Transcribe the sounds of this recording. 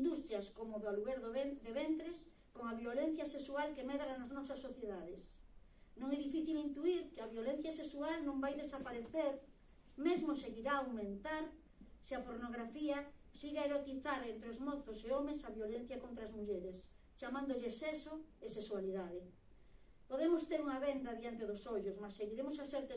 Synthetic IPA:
ĩnd̪ust̪ɾjaskomoβalueɾððeβent̪ɾes | koŋaβjolen̟θjaseksualkemeðɾanaznɔsasːoθjeðaðɪsnõŋɛðifiθilint̪uiɾkeaβjolen̟θjaseksualnõmbajðesapaɾeθeɾ | mezmoseɣiɾaːwmẽnt̪aɾ | seapoɾnoɣ̞ɾafiasiɣeaeɾot̪iθaɾent̪ɾeozmɔθoseomesaβjolen̟θjakont̪ɾazmuʎeɾes | t͡ʃamãnd̪oʎesesoeseswaliðaðɪ | poðemost̪eɾuŋaβend̪aðjant̪eðosoʎosmasːeɣiɾemosaseɾt̪

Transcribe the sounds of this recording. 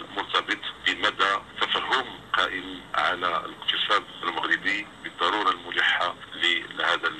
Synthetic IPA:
mʊɾt̪ɑbət̪ˤbəmæd̪æt̪ːæfæɦːʊmqɑʔɪmʕa̰læləqt̪əsˤɑd̪əlməɣɾəd̪əjbəd̪ˤːɑɾuɾˤɑlmʊliħːalihæd̪ə

